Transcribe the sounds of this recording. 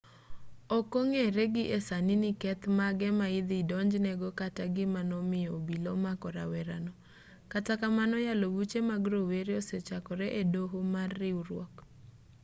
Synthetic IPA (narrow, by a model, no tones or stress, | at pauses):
okoŋeɾeɡɪʔesaninɪkɛt̪maɡɛmaɪd̪ɪdɔɲd͡ʒnɛɡɔkataɡɪmanɔmɪjɔbilɔmakɔɾa̰wɛɾanɔ | katakamanɔjalowut͡ʃemaɡɾoweɾeoset͡ʃakɔɾɛʔedoɦomarːɪuɾwɔk